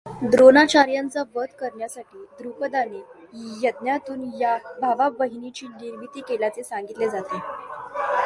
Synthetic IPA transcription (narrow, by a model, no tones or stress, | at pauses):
d̪ɾonat͡ɕaɾjant͡saʋəd̪kəɾɳjasaʈiːd̪ɾupəd̪anejəd̪njat̪uːnjabʱaʋabəɦinit͡ɕiːniɾbit̪iːkeljat͡sesaŋɡit̪led͡zat̪e